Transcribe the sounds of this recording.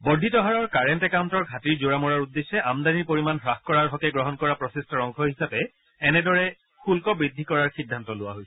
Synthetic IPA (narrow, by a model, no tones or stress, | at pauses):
bɔdʱːitɔɦaɹɔɹkaɹɛntɛkawntɔɹɡʱatiɹzoɹamɔɹaɹudːeʃːɛʔamdaniɹpoɹimanxɹaxkɔɹaɹɦɔkɛɡɹɔɦɔnkɔɹapɹɔsistɔɹɔŋkʰɔɦisapɛː | nɛdɔɹɛ | xulkɔbɹidʱːikɔɹaɹxidʱːantɔlʊwa̰ɦojsɛ